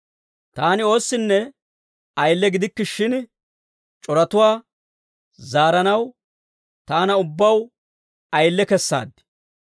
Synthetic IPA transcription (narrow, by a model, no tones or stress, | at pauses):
t̪aːnɪo̞ːsːɪnːɛ | ɐjlːɛɡɪd̪ɪkːɪʃɪn | t͡ʃʼɔɾɐt̪ʊwaː | zaːɾɐnɐw | t̪aːnɐʊbːɐw | ɐjlːɛkɛsːa̰ːd̪ːɪ̥